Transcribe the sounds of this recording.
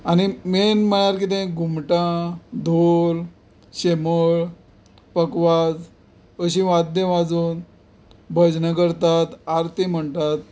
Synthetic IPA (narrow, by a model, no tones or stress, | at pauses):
añimenm̤əɭaɾkit̪̬ẽɡʱumʈãd̪ʱol | ɕeməɭ | pəkʋad͡z | əɕĩʋad̪jə̃ʋad͡zuːn | bʱəd͡ʑnəkəɾt̪at̪aɾt̪im̤əɳt̪at̪̚